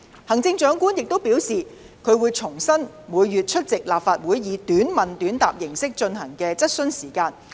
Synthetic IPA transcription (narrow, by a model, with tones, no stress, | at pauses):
hɐ˨˩ŋt͡sɪ˧ŋt͡ʃœː˨˥ŋkuː˥njɪ˨k̚t̪o˥wpi˨˥wsiː˨ | kʰɵ˨˧ɥwuː˨˧jt͡sʰʊ˨˩ŋsɐ˥n | muː˨˧jːyː˨t̚t͡ʃʰɵ˥t̚t͡sɪ˨k̚laː˨p̚faː˧t̚wuː˨˥jːiː˨˧t̪yː˨˥nmɐ˨nt̪yː˨˥nt̪aː˨p̚jɪ˨˩ŋsɪ˥k̚t͡ʃɵ˧nhɐ˨˩ŋkɛː˧t͡sɐ˥t̚sɵ˥nsiː˨˩kaː˧n